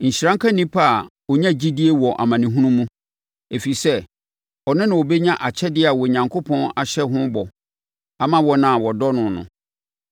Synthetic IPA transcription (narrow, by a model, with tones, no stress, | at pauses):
ɲ̩˨ɕɾã˦ŋkʰã˦nĩ˦pʰa˦˨ | ɔ˨ɲã˦d͡ʑi˦di˦e˦wɔ˨ʔa̰˨mã˨nɪ̃˨ɦũ˦nũ˦mũ˦ | e˨fi˨sɛ˦ | ɔ˨nɪ̃˦nã˨wɔ˨be˦ɲã˦ʔa˨t͡ɕʰɛ˦dɪ˦˨a˨wɔ˨ɲã˨ŋkʰo˦pʰɔ̃˦na˨ɕɛ˦ɦʊ̃˦bɔ˨ | a˨mã˦wɔ˨nã˦˨wɔ˨dɔ˦nʊ̃˨nʊ̰̃˨